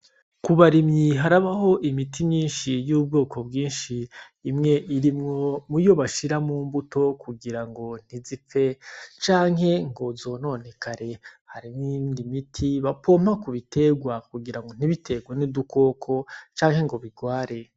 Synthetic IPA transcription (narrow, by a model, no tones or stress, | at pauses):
kuβaɾimɲiɦaɾaβaɦo̞ʔimitʰimɲiːnʃijuːb̚ɡo̞ːkʰo̞bɡiːnʃiː | mŋe̞ʔiɾimŋo̞mujo̞βaʃiɾamuːmbuto̞kʰuɡiɾaŋɡo̞n̥izip͡fe̞t͡ʃaːŋɦe̞ŋɡo̞zo̞ːno̞ːne̞kʰaɾe̞haɾimindimitʰiβapʰo̞ːmakuβitʰe̞ɡwakuɡiɾaŋɡo̞n̥iβitʰe̞ɡwanidukʰo̞ːkʰo̞t͡ʃaːŋhe̞ŋɡo̞βiɡwaːɾe̞